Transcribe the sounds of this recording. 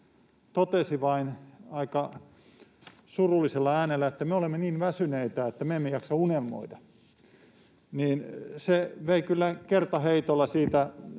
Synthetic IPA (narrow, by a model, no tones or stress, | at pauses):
t̪ot̪esiʋɑinɑikɑ | surulːiselːɑæːnelːæet̪ːæmeolemːeniːnʋæsyneit̪æet̪ːæmeemːejɑksɑunelmo̰idɑ | niːnseʋeikylːækert̪ɑheit̪olːɑsiːt̪æ